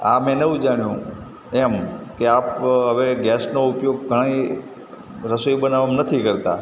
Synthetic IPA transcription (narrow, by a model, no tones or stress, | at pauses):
a̰mɛ̃neʋũd͡ʒaɽ̃jũ | emkeapɦəʋeɡɛsnoupjoɡ̚ɡʱəɽ̃əi | ɾəsoibənaʋamnət̪ʰikəɾt̪a̰